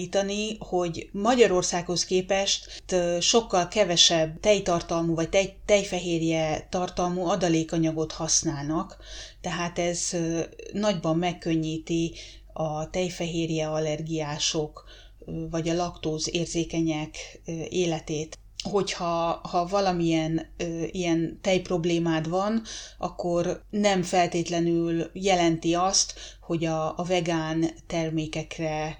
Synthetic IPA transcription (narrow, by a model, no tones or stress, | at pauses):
iːt̪ɒniho̞ɟmɒɟɒɾo̞rsaːkho̞skeːpɛʃt̪t̪ʃo̞kːɒlkɛvɛʃɛbːt̪ɛjt̪ɒrt̪ɒlmuːvɒc̚t̪ɛjt̪ɛjfɛɦeːrjɛt̪ɒrt̪ɒlmuːɒd̪ɒleːkɒɲɒɡo̞t̪hɒsnaːlnɒk | t̪ɛɦaːt̪ɛz | nɒɟbɒmːɛkːøɲːiːt̪i | ɒt̪ɛjfɛɦeːrjɛɒlɛrɡijaːʃo̞k | vɒɟɒlɒkt̪oːzeːrzeːkɛɲɛkeːlɛt̪eːt̪ | ho̞chɒhɒvɒlɒmijɛnijɛnt̪ɛjpro̞bleːmaːd̪vɒnʔɒ̰kːo̞rnɛmfɛlt̪eːt̪lɛnyljɛlɛnt̪iɒst̪ho̞ɟɒvɛɡaːnt̪ɛrmeːkɛkrɛ